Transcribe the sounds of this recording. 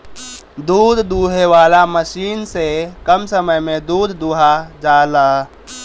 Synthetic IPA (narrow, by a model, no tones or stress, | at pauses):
d̪uːd̪ʱd̪uːɦeʋaːlaməʃiːnsekəmsəməjmẽd̪uːd̪ʱd̪uːɦad͡ʒaːlaː